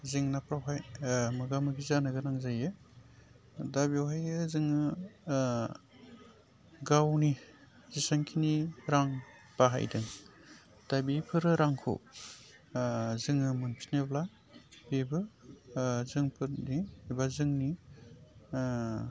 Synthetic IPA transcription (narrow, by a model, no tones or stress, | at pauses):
zɯŋnapɾawɦajmɯɡamɯɡizanɯɡɯnaŋzajɯ | dabiwɦajɯzɯŋɯ | ɡawni | zisaŋkʰiniɾaŋ | paɦa̰jdɯŋ | d̥abipʰɯɾɯɾaŋkʰo̰ | zɯŋɯmɯnpʰinebla | bebɯ | zɯŋpʰɯtnibazɯŋni